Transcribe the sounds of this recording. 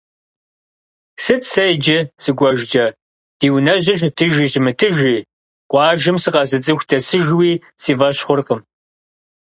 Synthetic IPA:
sɨtʰsɐjd͡ʒɪsɨɡʷɔʒd͡ʒɐ | d̥iːwnɐʑɪʒtʰɨʒiːʑɪmɨtʰɨʒiː | qʷɑːʒɨmsɨqɐzɨt͡sʼɨxʷtʰɐsɨʒwiː | siːvɐɕχʷʊrqəm

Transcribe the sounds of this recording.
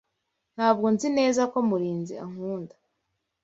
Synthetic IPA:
n̥haːb̚ɡo̞nzine̞ːzako̞muɾiːnzia̰ŋ̥huːndḁ

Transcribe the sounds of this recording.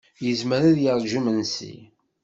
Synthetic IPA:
jəzməɾaðjəɾˤʒumənsḭ

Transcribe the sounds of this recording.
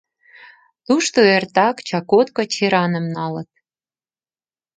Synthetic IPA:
t̪uʃt̪oert̪ɑkt͡ɕɑkot̪kŏt͡ɕeɾɑnə̆mnɑlə̆t̪̚

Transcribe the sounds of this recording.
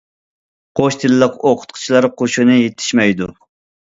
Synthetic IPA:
qʰoʃt̪ʰɪlɪləqoqʰʊ̥t̪̚qʰʊ̥t͡ʃʰilˠɑɾqʰoʃunɨjet̪ʰːɪ̥ʃmɛjd̪u

